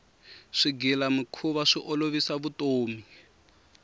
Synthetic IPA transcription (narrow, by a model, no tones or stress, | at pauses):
ʂiɡilamikʰuβaʂiʔɔloβisaβutoːmi